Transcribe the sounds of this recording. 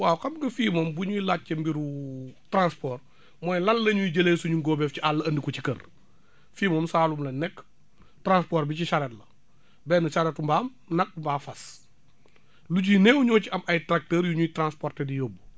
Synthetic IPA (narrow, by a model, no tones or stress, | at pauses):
waːwkɐbŋɡɐfiːmɔmbuɲuilaːt̚cɐmbiɾutɾãnspɔːr | mɔːjlɐnːɐɲuiɟɐleːsuɲuŋɡɔːbɛfciʔalːɐɐndikɔt͡ʃikɐ̰r | fiːmɔːmsaːlumlɐnɛkː | tɾãnspoːɾbiciʃaɾɛːtlɐ | bɛːnɐʃaɾɛtumbaːm | nɐk̚mbaːfɐs | luɟinɛːwuɲɔːciɐmʔɐjtɾak̚təːɾjuɲuitɾãnspɔːrtedijoːbːu